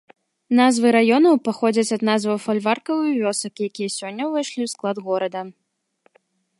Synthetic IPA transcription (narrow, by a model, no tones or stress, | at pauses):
nazvɨɾajɔnɐwpaxɔd͡zʲɐt͡sʲɐd̪nazvɐwfɐlʲvarkɐvɨvʲɔsɐkjakʲijɐsʲɔnʲːɐvɐjʂlʲiwsklˠad̪ɣɔɾɐd̪ɐ